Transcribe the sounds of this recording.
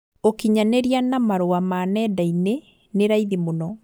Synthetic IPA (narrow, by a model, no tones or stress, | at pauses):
okiɲaneɾianamaɾoamaːnɛdaine | neɾaiðimonɔ